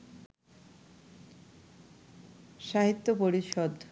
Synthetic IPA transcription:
ʃaɦit̪ːopoɾiʃɔd̪

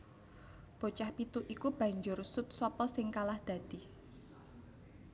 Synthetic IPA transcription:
b̥o̤t͡ʃahpit̪uʔikub̥ä̤ɲd͡ʒʊrsʊt̪̚sɔpɔsɪŋkalahd̪̥a̤d̪̥i̤

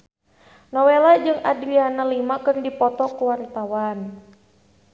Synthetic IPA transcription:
nɔwelad͡ʒɨŋadɾianalimakɨrdipɔt̪ɔkuwaɾit̪awan

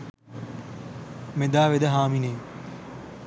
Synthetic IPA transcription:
med̪aːʋed̪əɦaːmineː

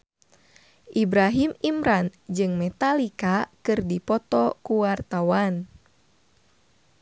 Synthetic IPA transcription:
ʔibɾaɦimimɾand͡ʒɨŋmɛt̪alikakɨrdipɔt̪ɔkuwart̪awan

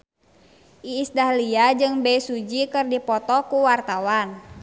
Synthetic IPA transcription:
ʔiːsdahliad͡ʒɨŋbɛsud͡ʒikɨrdipɔt̪ɔkuwart̪awan

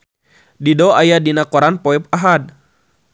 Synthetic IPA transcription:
didɔajadinakɔɾanpɔɛp̚aɦad̚

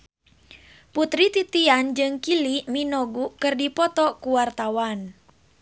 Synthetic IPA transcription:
put̪ɾit̪it̪iand͡ʒɨŋkiliminɔɡukɨrdipɔt̪ɔkuwart̪awan

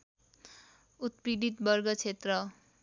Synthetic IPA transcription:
ut̪̚prid̪it̪bʌrɡʌt͡sʰet̪rʌ

